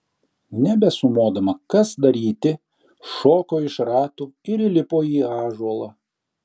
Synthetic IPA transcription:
nʲɛbʲɛsʊmoːd̪ɐmɐkɐsd̪ɐɾʲiːt̪ʲɪ | ʃoːkoːɪʃɾɑːt̪uːɪɾilʲɪpoːiːɑːʒuɔlˠɐ

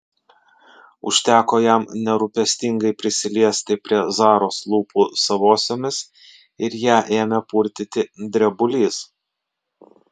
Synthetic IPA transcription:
ʊ̰ʃʲt̪ʲæːkoːjæˑmnʲɛɾʊpʲɛsʲt̪ʲɪŋɡɐɪpʲɾʲɪsʲɪlʲiɛsʲt̪ʲɪpʲɾʲiɛzɑːɾoːslˠuːpʰuːsɐʋoːsʲoːmʲɪs | ɪɾjæːʔeːmʲɛpuɾʲt̪ʲɪt̪ʲɪd̪ʲɾʲɛbʊlʲiːs

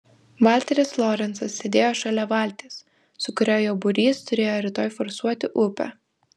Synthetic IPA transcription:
ʋɑˑlʲt̪ʲɛɾʲɪsflˠɔːɾʲɛnsɐsːʲeːd̪ʲeːjoːʃɑlʲɛʋɑˑlʲt̪ʲeːs | sʊkʊɾʲoːjoːbʊɾʲiːst̪ʊɾʲeːjoːɾʲɪt̪oːjfɔɾsuɔt̪ʲɪʔʊpʲɛ̰

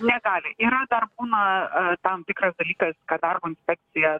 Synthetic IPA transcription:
nʲɛɡɑːlʲɪʔiːɾɐd̪ɐrbuːnɐt̪ɐmt̪ʲɪkɾɐsd̪ɐlʲiːkɐskɐt̪̚d̪ɐrbʊːɪnʲsʲpʲɛk̚t̪sʲɪjɛ

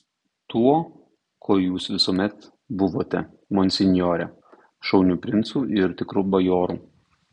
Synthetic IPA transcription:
t̪uɔ | kʰoːjuːsʋʲɪsuɔmʲɛt̪ | bʊʋoːt̪ʲɛ | mɔnʲsʲɪnʲjoːɾʲɛ | ʃɒʊnʲupʲɾʲɪnt̪suːʔɪɾt̪ʲɪkɾubɐjoːɾuː

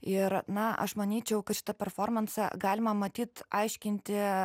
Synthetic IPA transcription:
ɪɾnɐɐ̰ʃmɐnʲiːt͡ʃʲɛʊkɐt̪ʃʲɪt̪ɐpʲɛɾfoːrmɐnsɐ̰ɡɑːlʲɪmɐmɐt̪ʲiːt̪ɑɪʃʲkʲɪnʲt̪ʲɪ

